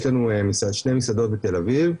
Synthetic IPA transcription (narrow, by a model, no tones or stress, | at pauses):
ʃlanuemisad̪ʃne̞jmisad̪o̞t̪̚bet̪e̞laviv